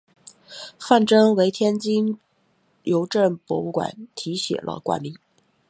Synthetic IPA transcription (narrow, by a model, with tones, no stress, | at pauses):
fa˥˩nʈ͡ʂɤ˥ŋwe˧˥ɪt̪ʰjɛ˥nt͡ɕi˥ŋ | jo˧˥ʊʈ͡ʂə˥˩ŋpwɔ̰˧˥u˥˩kwa̰˨˩˦nt̪ʰi˧˥ɕjɛ̰˨˩lʔə̰˧kwa̰˥˩nmi˧˥˦ŋ